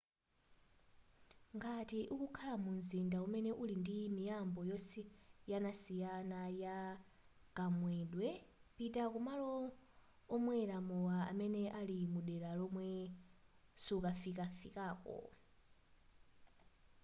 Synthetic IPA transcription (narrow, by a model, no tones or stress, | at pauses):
ŋɡatiʔukukʰalamunzindaumɛnɛʔulindimijambɔjɔsɛjanasijanaja | ɡ̥amwɛɗwɛpitakumalɔː | mwɛɾamuwaa̰mɛnɛʔalimuɗɛɾalɔmwɛ | sukafikafikaːkɔ̰